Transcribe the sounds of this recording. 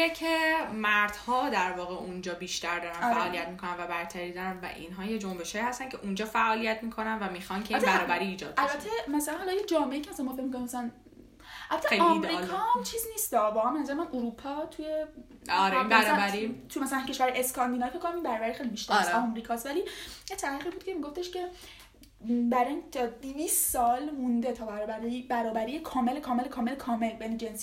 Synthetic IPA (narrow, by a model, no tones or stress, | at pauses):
ecʰemæɾd̪̥hɒːd̪æɾvɒːɣeund͡ʒɒːbiːʃt̪æɾd̪ɒːɾænːfæʔːlijæt̪miːkʰo̞nænvæbæɾt̪ʰæɾiːd̪ɒɾænvæ̰ʔḭnɦɒːjed͡ʒombeʃhɒːjiːhæst̪æncʰe̞ʔund͡ʒɒːfæʔɒːlijæt̪miːkʰo̞nænvæmiːxɒnkʰeiinbæɾɒːbæɾiːd͡ʒɒːd̪̚ælbæt̪ʰːemæsælænhɒlɒjed͡ʒɒːmeeiːcʰemæsænmɔfecmikʰoɾimæsælæn | ʔælbæt̪ʰːeejlɒimɾilkʰɒmt͡ʃʰiːzniːst̪ɒbɒːɣæmbenæzæɾemænʔuɾupʰɒt̪ʰuje | ɒɾæɾæɾit̪ʰumæsælæncʰe̞ʃvæɾhɒjieskʰɑnd̪iːnɒifekʰːonæmimbæɾɒːbæɾixejlibiʃt̪æisɒmɾiːkʰɒst̪vælijet̪ʰælæxiːbud̪̚cʰe̞miɡoft̪e̞ʃcʰe̞ | bæɾind̪ivissɒlmũnd̪et̪ʰɒːbæɾbæɾbæɾɒːbæɾijekʰɒːmelekʰɒːme̞lekʰɒːmelekʰɒːme̞lbejned͡ʒens